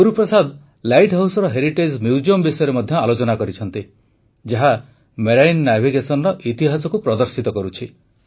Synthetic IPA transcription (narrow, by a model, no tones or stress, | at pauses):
uɾupɾɔsad̪ | lajʈɦawsɔɾɔɦeɾiʈed͡ʒmjuwd͡ʒiɔmbisɔjɔɾemɔd̪ʱjɔalot͡ʃɔnakɔɾit͡ʃʰɔnt̪i | d͡ʒaɦa | meɾajnɔnabʱiɡesɔnɔɾɔʔit̪iɦasɔkupɾɔd̪ɔɾsit̪ɔkɔɾut͡ʃʰi